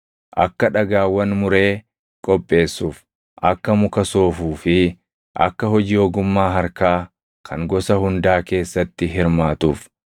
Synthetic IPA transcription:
ʔɐkːɐᶑɐɡaːwːɐnmʊɾe̞ː | kʼɔpʼːe̞ːsːuːf | ʔɐkːɐmʊkɐso̞ːfuːfɪ | ʔɐ̰kːɐɦɔd͡ʒiːɔːɡʊmːaːɦɐɾkaː | kʰɐŋɡɔsɐhʊnd̪aːke̞ːsːɐt̪ːɪɦɪɾmaːt̪ṵːf

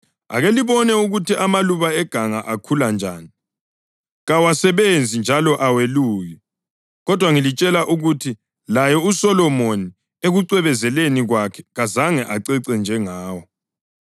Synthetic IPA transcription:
a̰ɣeliβɔnɛuɣutiʔamaluβaɛɡ̥ʱaŋaʔakʰuland͡ʒʱaːni | ɣawasɛβend͡zʱind͡ʒʱalɔʔaweluːjɛ | ɣɔd̥ʱwaŋilit͡ʃʼɛlaʔuɣutʰi | lajɔusɔlɔmoni | eɣuǀwɛβɛzɛleniɣwakʰɛ̥ɣazaŋɛʔaǀɛǀɛnd͡ʒʱɛŋaːwɔ

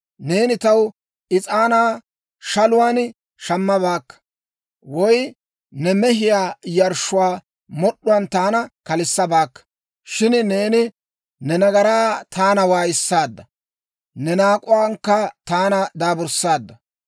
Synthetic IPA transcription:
ne̞ːnɪt̪ɐw | ʔɪt͡sʼaːnaː | ʃɐlʊwaːn | ʃɐmːɐβaːkːɐ̥ | wɔj | nɛmɛɦɪjaːjɐɾʃʊwaː | mɔɗːʊwɐnt̪aːnɐkɐlɪsːɐbaːkːɐ̥ | ʃɪnne̞ːnɪ | nɛnɐɡɐɾaːt̪aːnɐwaːjɪsːaːd̪ːɐ | nɛnaːkʼʊwaːŋkːɐt̪aːnɐd̪aːbʊɾsaːd̪ːɐ

